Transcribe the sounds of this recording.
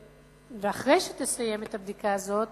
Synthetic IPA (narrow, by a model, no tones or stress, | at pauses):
veaχʁejʃet̪esaje̞met̪abd̪ikaːzo̞t